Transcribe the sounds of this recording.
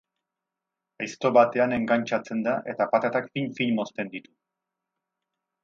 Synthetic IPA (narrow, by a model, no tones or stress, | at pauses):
ajst̪o̞βat̪e̞ane̞ŋɡaɲt͡ʃat͡se̞nd̪aʔe̞t̪apat̪at̪akfiɲfiɲmo̞st̪e̞nd̪it̪u